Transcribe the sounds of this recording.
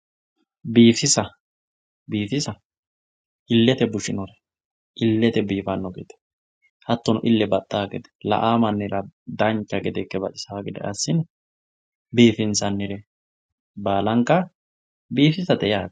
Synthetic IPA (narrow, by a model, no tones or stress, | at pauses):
biːfɪsɐ | biːfɪsɐ | ʔɪlːɛt̪ɛbʊʃɪnɔɾɛ | ʔɪlːɛt̪ɛbiːfɐnːɔɡḛːt̪ɛ̥ | hɐt̪ːɔnʊʔɪlːɛbɐt̪ʼːaːɡɛ̰d̪ɛ̥lɐ̰ʔaːmɐnːɪɾɐd̪ɐnt͡ʃːɐɡɛd̪ɛkːɛbɐtɪsaːɡɪd̪ɛ̰ɐ̰sːɪn | biːfɪnsɐnːɪɾɛ | baːlɐŋkːɐ | biːfɪsɐt̪ɛjaːd̪